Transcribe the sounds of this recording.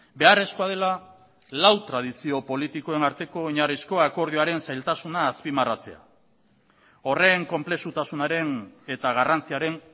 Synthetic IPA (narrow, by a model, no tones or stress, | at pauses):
be̞are̞skoað̞e̞la | lawt̪ɾað̞isio̞po̞lit̪iko̞e̞naɾt̪e̞ko̞iɲarisko̞ako̞ɾð̞ioaɾe̞nsajlt̪asunaːspimarat͡se̞̰a̰ | o̞re̞ŋko̞mple̞sut̪asunaɾe̞ne̞t̪aɣ̞arant͡siaɾe̞n